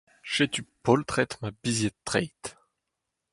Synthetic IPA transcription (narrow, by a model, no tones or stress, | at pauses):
ʃet̪ypɔlt̪χɛt̪mabizjɛt̪ːʁɛjt̪